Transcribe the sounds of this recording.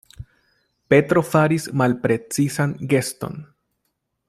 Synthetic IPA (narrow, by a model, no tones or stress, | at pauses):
pe̞tɾo̞faɾismalpɾe̞t͡sisanɡe̞sto̞̰n